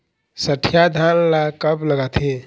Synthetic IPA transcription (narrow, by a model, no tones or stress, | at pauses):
səʈʰjad̪ʱanlakəpləɡat̪ʰe